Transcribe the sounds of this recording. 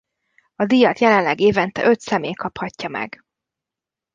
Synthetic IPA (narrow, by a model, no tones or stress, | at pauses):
ɒd̪ijɒt̪jɛlɛnlɛɡeːvɛnt̪ɛ̰ʔø̞t̪sɛmeːkɒphɒcːɒmɛ̰ɡ